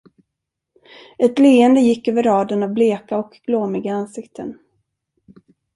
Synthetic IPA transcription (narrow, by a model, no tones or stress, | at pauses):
ɛt̪leːənd̪əjɪkːøːvəɾɑːd̪ənavbleːkaɔkɡ̥loːmɪɡaansɪkt̪ʰə̰n